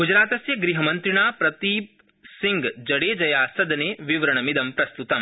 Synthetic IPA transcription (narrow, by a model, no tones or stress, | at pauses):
ɡud͡ʒɾaːt̪ɐsjɐɡɾiɦɐmɐnt̪ɾiɳaːpɾɐt̪iːp | siŋɡd͡ʒɐɽeːd͡ʒɐjaːsɐd̪ɐneːʋiʋɐɾɐɳɐmid̪ɐmpɾɐst̪ut̪ɐm